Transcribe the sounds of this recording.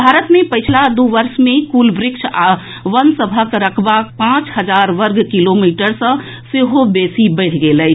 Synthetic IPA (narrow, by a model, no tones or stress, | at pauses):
bʱaːɾət̪mẽpəɪt͡ʃʰlad̪uʋəɾsmẽkuːlbɾɪkʃʰa | ʋənsəbʱəkɾəkʰbapãːt͡ʃɦəd͡ʒaːɾʋəɾɡkilomiʈəɾsə̃ | seɦobesibəɪʈʰɡelə